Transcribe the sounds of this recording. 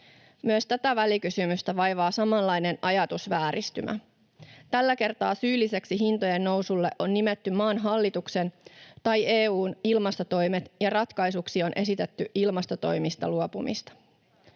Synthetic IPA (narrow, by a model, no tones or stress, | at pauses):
myøst̪æt̪æʋælikysymyst̪æʋɑjʋɑːsɑmɑlːɑjne̞nʔɑjɑt̪usʋæːɾist̪y̰mʔæ̰ | t̪ælːæke̞rt̪ɑːsyːlːise̞ksiɦint̪oje̞nːo̞wsulːe̞ʔo̞nːimet̪ːymɑːnɦɑlːit̪ukse̞nt̪ɑjeːuːnilmɑst̪o̞t̪o̞jmet̪jɑrɑt̪kɑjsuksio̞nʔe̞sit̪e̞t̪ːyʔilmɑst̪o̞t̪o̞jmist̪ɑ̰luopumḭst̪ɑ̥